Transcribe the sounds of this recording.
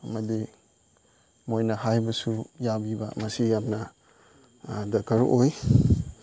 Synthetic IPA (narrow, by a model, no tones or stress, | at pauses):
mɐdi | mojnɐhajbɐsujabibamɐsijap̚nɐ | dɐkʰaɾʔoj